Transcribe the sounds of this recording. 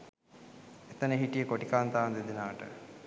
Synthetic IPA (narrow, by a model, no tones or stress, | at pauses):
et̪ənəɦiʈijəkoʈikaːnt̪aːnd̪ed̪inaːʈə̰